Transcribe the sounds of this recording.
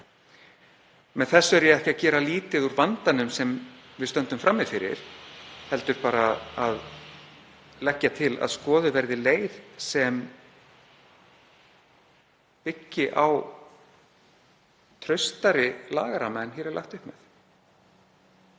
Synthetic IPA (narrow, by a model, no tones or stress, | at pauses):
mɛðθɛsːɛɾjɛɣɛhcɪacɛːɾaliːt̪ɪðuɾvant̪anʏmsɛmvɪðst̪œnt̪ʏmfɾamːɪðfɪɾɪ̰ɾ̥hɛlt̪ʏɾpaːɾaað | lɛcːat̪ʰɪla̰ðskɔːðʏvɛɾðɪleːjðsɛm | pɪcːɪʔaw | t̪ʰɾœɥst̪aɾɪla̰ːɣaɾamɛnçɛːɾɛɾla̰xt̪ʏhpmɛθ